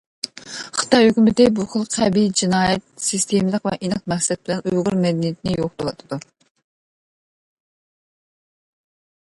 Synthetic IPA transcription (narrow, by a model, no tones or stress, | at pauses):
χə̥t̪ɑjhøkʲymɪd̪ɪbuχəlˠqʰɛbid͡ʒinɑːjɛt̪̚sist̪ʰemlˠəqvɛ̰ʔinɨq̚mɛksɛt̪̚bɪlɛnøjʁʊɾmɛd̪ɛnijit̪ʰɪnɪjoq̚d̪olˠɑt̪ʰɨd̪̥u